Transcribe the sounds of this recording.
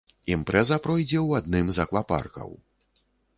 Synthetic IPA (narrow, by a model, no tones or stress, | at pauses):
impɾɛzɐpɾɔjd͡zʲɛwad̪̚nɨmzɐklˠapa̰rkɐ̰w